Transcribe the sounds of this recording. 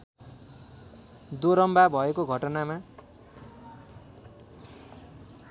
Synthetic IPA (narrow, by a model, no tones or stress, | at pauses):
d̪oɾʌmbabʱʌekoɡʱʌʈʌnama